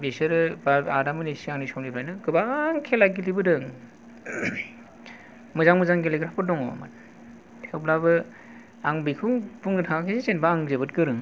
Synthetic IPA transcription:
besɯɾɯbaadamɯnesiaŋnisɔmlipʰɾajnɯɡɯbaŋkʰelaɡilibɯdɯŋ | mɯzaŋmɯzaŋɡeleɡɾapɯdɔŋɔ̰ma̰n | tʰewplabɯ | aŋbikʰɯbuŋɡɯtʰakʰesezenbaːŋzebɯtkɯɾɯŋ

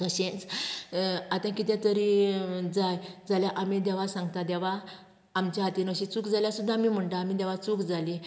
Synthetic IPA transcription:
səɕẽnt͡s | at̪ãkit̪ɛ̃t̪əɾid͡zajd͡zaljaʔamid̪ɛʋasãŋɡ̚t̪ad̪ɛʋaː | mt͡ɕaɦat̪inəɕit͡sukd͡zaljasud̪ʱːamim̤əɳʈaːmid̪ɛʋat͡sukd͡zali

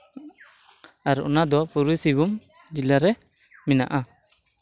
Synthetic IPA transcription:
aɾɔ̰nad̪ɔpuɾusibum | d͡ʒilaɾɛ | mɛna̰ʔa

